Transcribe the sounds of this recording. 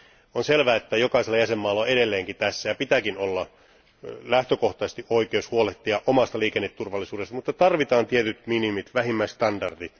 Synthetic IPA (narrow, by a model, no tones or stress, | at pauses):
onselʋæːet̪ːæjokɑiselːɑjæsemːɑːlːɑɑeɾelːeːŋkit̪æsːæjɑpit̪ækinolːɑ | læht̪økoht̪ɑsest̪iʔoikeushuoleht̪ːiɑʔomɑst̪ɑliːkenːet̪ːurʋɑlːˑisuːdest̪ɑmut̪ːɑt̪ɑrʋit̪ɑːnt̪iet̪yt̪minimit̪ʋæhimːæist̪ɑndɑrdit̪